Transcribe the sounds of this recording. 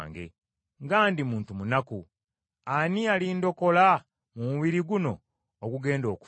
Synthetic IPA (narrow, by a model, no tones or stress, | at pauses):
ŋɡe̞̰ | ŋɡaːndimuːntumunaku | anialindo̞ko̞la | mumuβiɾiɡuno̞ː | ɡuɡe̞ːndo̞ːku̥